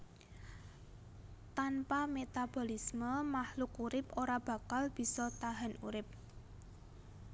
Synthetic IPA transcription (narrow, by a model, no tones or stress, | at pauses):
t̪anpamet̪ab̥olisməmahlʊkuɾɪpoɾab̥a̤kalb̥i̤sɔt̪aɦanṵɾɪp̚